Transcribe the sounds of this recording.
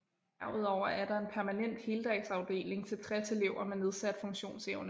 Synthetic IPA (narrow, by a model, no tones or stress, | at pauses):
æɐuðˠɒʊ̰ɐæɐdɾɑ̈e̝npʰæɐmænen̰d̥held̥ɛɡ̥sɑ̈ʊd̥e̝̰ːle̝ŋt͡sʰe̝lt͡sʰʁɛse̝leʊ̰ɐmenːe̝ð̞ˠsæd̥fɔ̽ŋɕo̝̰ːnseʊnə